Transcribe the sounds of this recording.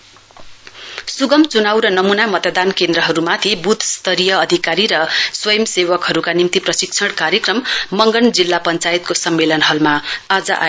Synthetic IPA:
suɡʌmt͡sunawɾʌnʌmunamʌt̪ʌd̪ankend̪ɾʌɦʌɾumat̪ʰibut̪ʰst̪ʌɾijʌːd̪ʱikaɾiɾʌswʌjʌmsewʌkɦʌɾukanimt̪iprʌsikt͡sʰʌɽkaɾjekrʌmːʌŋɡʌnd͡zilːapʌnt͡sajt̪̚kosʌmːelʌnɦʌlmaad͡zʌʔa̰

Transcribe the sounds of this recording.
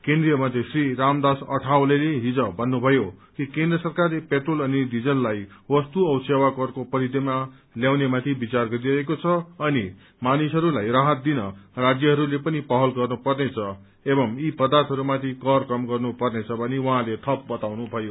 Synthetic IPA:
kẽnd̪rijʌmat̪isriɾamd̪asʌ̰ʈʰawleleɦid͡zʌbʱʌnːubʱʌjokikend̪rʌsʌrkarlepeʈrolʌnid̪id͡zʌnlajwʌst̪uʌwsewakʌrkopʌɾid̪ima | ljawnemat̪ʰibit͡sarɡʌɾiɾʌekot͡sʰʌʌni | manisɦʌɾulajraɦʌt̪̚d̪inʌrad͡zjʌɦʌɾulepʌnipʌɦʌlɡʌrnupʌrnet͡sʰʌ | ebʌmipʌd̪art̪ʰɦʌɾumat̪ʰikʌrkʌmɡʌrnupʌrnet͡sʰʌbʱʌniwʌɦãlet̪ʰʌp̚bʌt̪awnubʱʌjo

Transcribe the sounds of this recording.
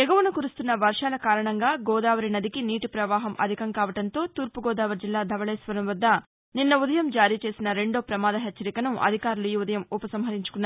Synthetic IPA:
ɛɡɐʋunukuɾust̪unːɐʋɐɾʂaːlɐkaːɾɐɳɐŋɡaːɡɔːd̪aːʋɐɾinɐd̪ikiniːʈipɾɐʋaːɦɐmʔɐ̰d̪ʱikɐŋkaːʋɐʈɐnt̪o̞ːt̪uːɾpuɡɔːd̪aːʋɐɾd͡ʒilːaːd̪ʱɐʋɐɭɛːsʋɐɾɐmʋɐd̪ːɐ | ninːɐud̪ɐjɐmd͡ʒaːɾiːt͡ʃe̞ːsinɐɾe̞ɳɖoːpɾɐmaːd̪ɐɦɛt͡ʃːt͡ʃːɐɾikɐnuʔɐ̰d̪ʱikaːɾuluiud̪ɐjɐmupɐsɐmɦɐɾiɲt͡ʃu̥kunːaː

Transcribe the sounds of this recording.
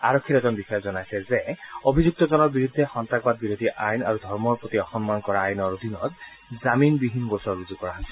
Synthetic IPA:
aɹɔkʰːiɾɛzɔnbisɔjɔzɔnajsɛzɛobʱizuk̚tɔzɔnɔɹbiɹud̪ʱːɛxɔnt̪ak̚bad̪̚biɹod̪ʱiʔajna̰ɹud̪ʱɔɹmɔɹpɹot̪iɔxɔmmankɔɹaːjnɔɹod̪ʱinɔt̪ | zaminbibʱinɡosɔɹbuzukːɔɹaɦɔsɛ

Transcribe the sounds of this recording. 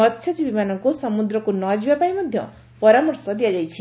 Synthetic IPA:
ʌt̪ːʃʰʌtibimanʌŋkosɔmud̪ɾɔkonɔd͡ʒiwapajmʌd̪ʱjʌ̰ | pɔɾamɔɾsɔd̪ijad͡ʒajt͡ʃʰi

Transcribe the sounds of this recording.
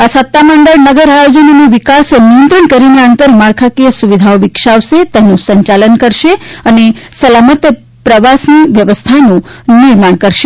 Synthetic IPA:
asət̪ːaməɳɖəɭnəɡəɾajod͡ʒəniniʋikasnijə̃nt̪ɾəɳkəɾineənt̪əɾmaɭkʰakiəsuʋid̪ʱaoʋikʃaʋset̪ɛnũsəɲt͡ʃalənkəɾʃeənesəlamət̪jə | pɾəʋasniʋjəʋəst̪ʰanũnɪɾmaɳ̃kəɾʃe

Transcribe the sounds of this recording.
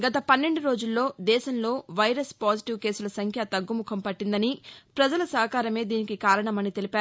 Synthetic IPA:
ɡɐt̪ɐpɐnːe̞ɳɖuɾo̞ːd͡ʒulːo̞ːd̪ɛːʃɐmlo̞ːʋɐjɾɐspaːd͡ʒiʈiʋke̞ːsulɐsɐŋkʰjɐt̪ɐɡːumukʰɐmpɐʈːind̪ɐnipɾɐd͡ʒɐlɐsɐɦɐkaːɾɐme̞ːd̪iːnikikaːɾɐɳɐmɐnit̪e̞lipæaːɾu

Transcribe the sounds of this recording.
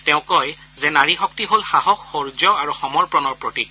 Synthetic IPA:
tɛʊ̃kɔj | zɛnaɹixɔk̚tiɦolxaɦɔxːoɹzɔaɹuxɔmɔɹpɹɔnɔɹpɹotik

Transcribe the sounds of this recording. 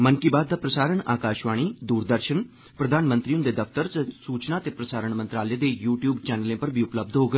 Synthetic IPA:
məŋkiːbaːd̪ːaːpɾəsaːɾəɳa̰ːkaːʃʋaːɽ̃iːd̪uːɾd̪əɾʃən | pɾəd̪ʱaːnmə̃nt̪ɾiːʊnd̪eːd̪əpʰt̪əɾtəsuːt͡ʃnaːt̪eːpɾəsaːɾəɳmə̃nt̪ɾaːleːd̪eːjuːʈjuːbt͡ʃɛːnəlẽːpəɾbʱiːʊpləb̚d̪ɦoːɡə

